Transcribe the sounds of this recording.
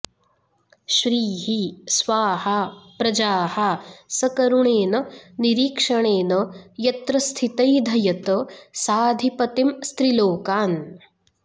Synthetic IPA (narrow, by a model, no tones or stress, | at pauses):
ʃɾiːɦisʋaːhapɾɐd͡ʒaːhasɐkɐɾuɳeːnɐniɾiːkʂɐɳeːnɐjɐt̪ɾɐst̪ʰit̪ɐjd̪ʱɐjɐt̪əsaːd̪ʱipɐt̪imst̪ɾiloːkaːn